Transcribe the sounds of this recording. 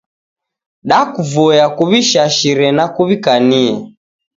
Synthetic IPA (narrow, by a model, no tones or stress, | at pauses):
ɗakuvɔjakuβiʃaʃiɾɛnakuβikaniɛ